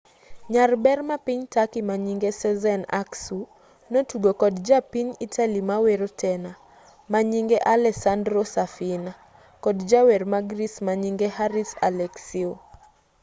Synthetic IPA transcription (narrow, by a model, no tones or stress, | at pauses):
ɲarbɛɾmapiɲtakimaɲiŋɡɛsɛzɛna̰ksu | nɔtuɡɔkɔdd͡ʒapiɲitʰalimawɛɾɔtʰɛna | maɲiŋɡɛʔalɛsandɾɔsafina | kɔdd͡ʒawɛɾmaɡɾismaɲiŋɡɛhaɾisa̰lɛksiɔ